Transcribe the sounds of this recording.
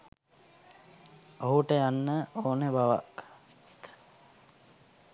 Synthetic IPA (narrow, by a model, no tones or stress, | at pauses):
oɦuʈəjanːəʔoːnebaʋa̰k | t̪